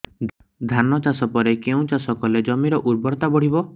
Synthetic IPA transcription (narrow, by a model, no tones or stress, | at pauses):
d̪ʱanɔt͡ʃasɔpɔɾekeũt͡ʃasɔkɔled͡ʒɔmiɾɔʔuɾbɔɾt̪abɔɽ̤ibɔ